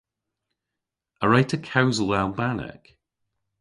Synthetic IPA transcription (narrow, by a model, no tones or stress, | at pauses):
əɹajtʰəkʰawzəlˠalˠbanɪ̰k